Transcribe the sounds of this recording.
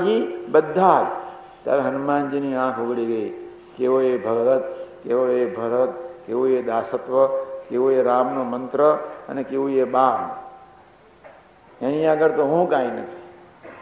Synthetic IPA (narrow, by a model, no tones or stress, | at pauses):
ɡibəd̪ʱːaːl | t̪ja̰ːɾeɦənumaːnd͡ʒiniːãːkʰoɡɽiɡəiː | keːʋoebʱɐɡʋət̪̚keʋoebʱɐɾət̪keːʋued̪aːsət̪ʋəkeːʋoeɾaːmnomənt̪ɾəə̰nekeːʋueɓaːn | ẽnĩəɡəɾt̪oɦũːkaːinə̰t̪ʰi̥